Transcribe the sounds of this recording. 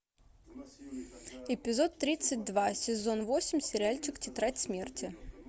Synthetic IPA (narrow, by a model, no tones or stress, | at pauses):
ɪpʲɪzot̪ːɾʲit̪sːɨt̚ʲd̪vasʲɪzonvosʲɪmʲsʲɪɾʲɪalʲt͡ɕɪktʲɪt̪ɾatʲsmʲertʲɪ